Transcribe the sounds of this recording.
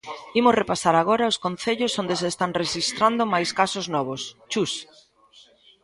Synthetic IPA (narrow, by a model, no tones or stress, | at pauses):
imʊsrepasaɾaɣ̞oɾɐʊskon̟θeʎosond̪es̬est̪aŋreʃist̪ɾand̪omajskasoznɔβost͡ʃus